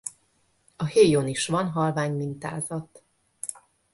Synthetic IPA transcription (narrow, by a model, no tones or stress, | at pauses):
ɒheːjoniʃʋɒnɦɒlvaːɲmint̪a̰ːzɒt̪